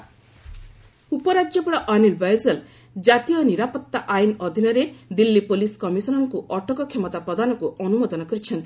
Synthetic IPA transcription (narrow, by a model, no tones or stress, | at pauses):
upɔɾad͡ʒjɔpɔɽɔʔanilbajzɔl | d͡ʒat̪ijɔniɾapɔt̪ːaʔajnɔd̪ʱinɔɾed̪ilːipoliskɔmisɔnɔŋkuʔɔʈɔkɔkʰemɔt̪apɾɔd̪ʱanɔkuʔɔnumɔd̪ɔnɔkɔɾit͡ʃʰɔnt̪i